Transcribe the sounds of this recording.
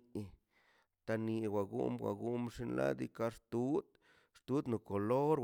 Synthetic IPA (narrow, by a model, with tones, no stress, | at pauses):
t̪a˧ni˧wa˨ɡṵ˦mwa̰˨ɡu˦mʂi˧nla̰˦d̪ḭ˦ka˦ʂt̪u˦d̪ | ʂt̪u˦d̪nu˨ko˨lo˦ɾ